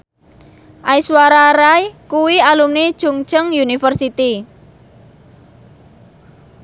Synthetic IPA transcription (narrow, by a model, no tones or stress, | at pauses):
ʔajswaɾaɾajkuwialumnid̥ʒ̥uŋ̥t͡ʃəŋjunifərsit̪i